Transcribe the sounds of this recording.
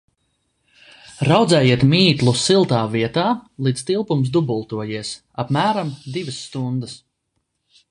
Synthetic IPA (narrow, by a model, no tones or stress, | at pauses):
ɾawd̪zɛːjiɛt̪miːt̪lˠusilˠt̪aːviɛt̪aːlˠiːd̪st̪ilˠpums̬d̪ubulˠt̪uɔjiɛs | apmæːɾamd̪ivəsːt̪und̪əs